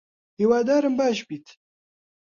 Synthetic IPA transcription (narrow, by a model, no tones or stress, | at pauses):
hiwaːd̪aːɾəmbaːʃpit̪